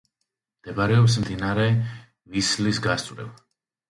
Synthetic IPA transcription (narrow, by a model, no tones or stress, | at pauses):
md̪̥ɛbaɾɛɔps̬md̪inaɾɛ | vislisɡast̪sʼwɾɛ̰ba